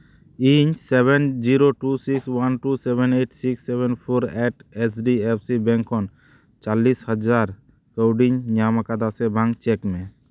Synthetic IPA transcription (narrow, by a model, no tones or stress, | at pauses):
iɲsɛβɛnd͡ʒiɾoʈusikswanʈusɛbʱɛneʈsiksːebʱɛnpʰoɾɛʈɛsɖiepʰsibɛŋkʰːɔn | t͡ʃalːishɔd͡ʒaɾ | kəwɖiɲɲamakad̪asɛbʱaŋt͡ʃɛkmɛ